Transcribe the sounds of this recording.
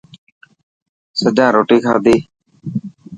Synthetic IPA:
səd͡ʒãːɾoːʈeːkʰaːd̪eː

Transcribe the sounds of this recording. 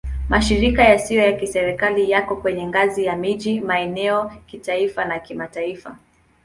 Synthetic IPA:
maʃiɾikajasijɔjakisɛɾɛkalijakɔkwɛɲɛŋɡazijamiʄimaɛnɛɔkitaifanakimataifa̰

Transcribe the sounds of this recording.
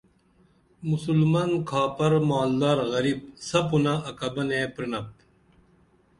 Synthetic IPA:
musulmɐnkʰaːpɐɾmaːld̪aːɾɣɐɾib̚sɐpunɐɐkɐbɐneːpɾinɐp̚

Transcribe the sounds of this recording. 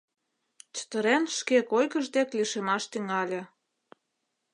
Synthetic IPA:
t͡ɕə̥t̪əɾenʃkekojkəʒd̪ekliʃemɑʃt̪yŋɑlʲĕ

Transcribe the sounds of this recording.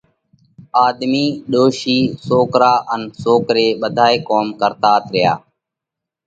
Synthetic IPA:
aːd̪miːɗoːʃiːsoːkɾaːʔənsoːkɾeːɓəd̪ʱaːeːkoːmkəɾt̪aːt̪ɾɪja̰ː

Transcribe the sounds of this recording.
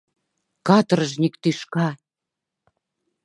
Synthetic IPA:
kɑt̪əɾəʒnʲikt̪yʃkɑ

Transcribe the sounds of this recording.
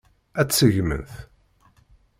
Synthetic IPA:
æt͡sːsəʝmə̰nθ

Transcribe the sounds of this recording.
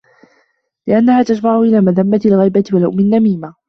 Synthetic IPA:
lɪʔanːahaːt̪ad͡ʒmaʕʊʔɪlaːmaðamːat̪ɪlɣajbat̪ɪwalʔʊʔmɪnːamiːma

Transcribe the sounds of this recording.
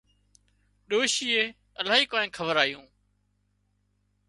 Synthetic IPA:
ɗoːʃiːeː | əlaːɦiːkoːnẽːkʰəʋəɾaːjũː

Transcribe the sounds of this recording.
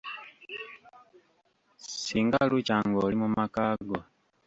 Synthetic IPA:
siŋɡalucaːŋɡolimumakaɡo

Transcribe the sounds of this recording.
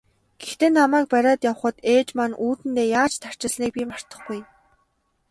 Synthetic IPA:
ɡ̥ext̪eːnamæːk̚pæɾʲaːt̪jawə̆χə̆t̪eːt͡ɕmaːnʔuːt̪ɘ̆nt̪eːjaːt͡ɕt̪ʰar̥t͡ɕɪ̆ɮniːk̚pʲiːmar̥t̪ə̆χɡuj

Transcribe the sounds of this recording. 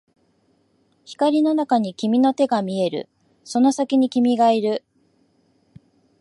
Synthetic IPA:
çi̥kaɾʲino̞nakaɲ̟ikʲimʲino̞t̪e̞ɡamʲie̞ɾɯ̟̰ | so̞no̞sakʲiɲ̟ikʲimʲiɡaiɾɯ̟

